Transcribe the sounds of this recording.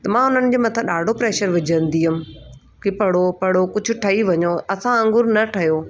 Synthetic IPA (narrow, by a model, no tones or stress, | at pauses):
t̪ɐmãːɦʊn̤ənɪ̆d͡ʑeːmɐt̪ʰaɗaːɖʱopɾeːʃəɾʋɪd͡ʑʱə̃n̆d̪iɦʊmɪ̆ | kepɐɽ̤opɐɽ̤okʊd͡ʑʱʊ̆ʈʰɐiʋɐɲoɐsãə̃ŋɡʊɾnɐʈʰɐjoː